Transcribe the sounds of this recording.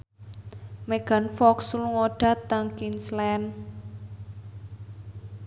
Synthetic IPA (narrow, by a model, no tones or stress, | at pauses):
meɡ̥a̤nfɔksuluŋoɖ̥a̤t̪aŋkinslɛn